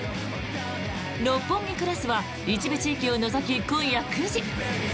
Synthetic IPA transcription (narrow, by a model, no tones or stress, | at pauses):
ɾopːõŋːʲikɯ̟ɾasɨβa | it͡ɕibɯ̟t͡ɕiːkʲio̞nozokʲikõɰ̃jakɯʑi